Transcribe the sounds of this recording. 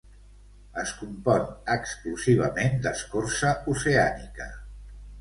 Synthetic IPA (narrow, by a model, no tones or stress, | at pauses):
əskumpɔnəkskluziβ̞ə̰mend̪əskorsəuseanikə